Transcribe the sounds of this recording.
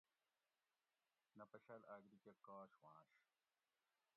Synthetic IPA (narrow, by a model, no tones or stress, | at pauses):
nɐpɐɕɐlaːɡɾikɐkaːɕwãːɕ